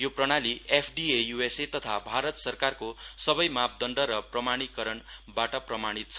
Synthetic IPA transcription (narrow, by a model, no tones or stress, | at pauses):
joprʌɽ̃aliepʰɖiejueset̪ʌt̪ʰabʱaɾʌt̪sʌrkarkosʌbʌjmap̚d̪ʌnɖʌɾʌprʌmaɽ̃ikʌɾʌnbaʈʌprʌmaɽ̃it̪̚t͡sʰʌ